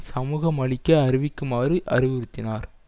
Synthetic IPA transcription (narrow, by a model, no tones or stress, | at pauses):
sɐmuːɣɐmɐɭɪkːɐɐɾɪʋɪkːɯmaːrɯʔɐ̰ɾɪʋɪɾɯt̪ːɪnaːɾ